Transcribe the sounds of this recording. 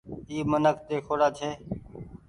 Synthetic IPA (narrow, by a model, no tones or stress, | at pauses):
iːmənəkt̪eːkʰoːɽaːt͡ʃʰeː